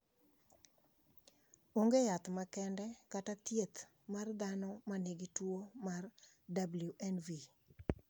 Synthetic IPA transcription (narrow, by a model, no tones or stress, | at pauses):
oŋɡejat̪makɛndɛkatat̪jet̪ | mard̪anɔmaneɡitwomar | dabljuʔɛnvi